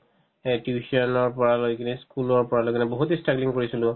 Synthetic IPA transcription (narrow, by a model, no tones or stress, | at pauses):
ɛtjusiɔnɔɹpɔɹalojkiniskulɔɹpɔɹalojkinɛboɦutestɹakliŋkoɹisilʊ̃